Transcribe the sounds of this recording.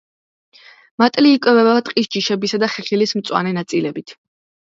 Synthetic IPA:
mat̪ʼliːkʼwɛvɛbat̪ʼqʼisd͡ʒiʃɛbisad̪aχɛχilismt̪sʼwa̰nɛnat̪sʼilɛbit̪ʰ

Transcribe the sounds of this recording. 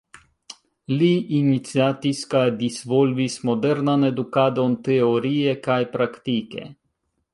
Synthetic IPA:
liʔinit̪siat̪iskad̪isʋolvismɔd̪ɛɾnanɛd̪ukad̪ɔnt̪ɛoɾiːjɛkajpɾakt̪ikɛ̰

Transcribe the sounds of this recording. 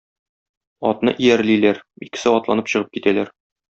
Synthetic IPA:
ɒt̪nɤ̰ʔijæɾlilæɾikɘ̥̆sɘɒt̪lˠɑnɤpɕɤ̆ʁɤp̚kit̪ælæɾ

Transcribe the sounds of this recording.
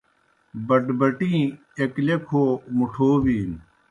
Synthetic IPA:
bɐʈbɐʈĩː | eklekʰoːmuʈʰoːbiːn

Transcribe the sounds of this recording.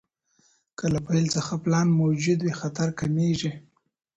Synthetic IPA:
kəlapajlt͡səxaplɑnmod͡ʒʊd̪wexat̪aɾkameʒi

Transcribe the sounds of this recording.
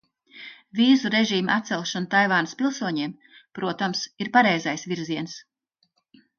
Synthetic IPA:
viːzuɾeʒiːmʔat̪sɛlˠʃanut̪ajvaːnspilˠsuɔɲiɛm | pɾuɔt̪amsiɾpaɾɛjzajsviɾziɛns

